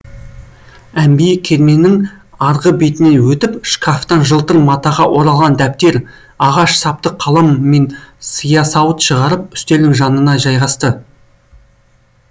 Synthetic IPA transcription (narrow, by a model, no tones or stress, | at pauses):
æmbijɪkʲʰe̞ɾme̞nɪŋ | ɑɾʁəbe̞t̪ɪne̞nwɵt̪ɪpʃkʰaft̪ɑnʒəlˠt̪əɾmɑt̪ɑʁɑwʔo̞ɾɑlˠʁɑnd̪æp̚t̪e̞ɾ | ɑʁɑʃsɑp̚t̪əqʰːɑlˠɑmːe̞nsəjɑsɑwət̪ʃəʁɑɾəp̚ʏ̥st̪e̞lɪŋʒɑnənɑʒɑjʁɑst̪ə